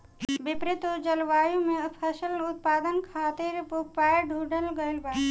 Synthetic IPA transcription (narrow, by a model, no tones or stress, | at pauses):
bɪpɾɪt̪od͡ʒəlʋaːjũmepʰəsəlʊt̪̚paːd̪ənkʰaːt̪iɾpuk̚paːeɖʱuːɖəlɡəjlbə